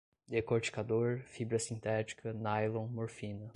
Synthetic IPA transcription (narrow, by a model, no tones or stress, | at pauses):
d̪ekoɾt͡ʃi̥kad̪oɾfibɾɐsĩnt̪ɛt͡ʃi̥kʰɐnajlõmoɾfĩnɐ